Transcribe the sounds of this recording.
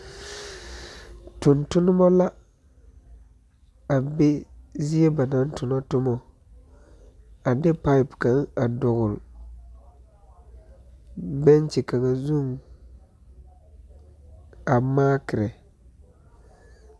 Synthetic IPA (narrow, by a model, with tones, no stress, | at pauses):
tʊ˨ntʊ˦nʊ˦mɔ˦la˦ | a˨be˦zi˦e˦ba˨na˨˦n˦tʊ˨nɔ˦tʊ˦mɔ˨ | a˨dɪ˦pa˦ɪ˨pka˨ŋa˨dʊ˨ɣʊ˨l | bɛ˦nt͡ʃɛ˨ka˨ŋa˨zu˦˨ŋ | a˨maː˦kɪ˨ɾɛ˨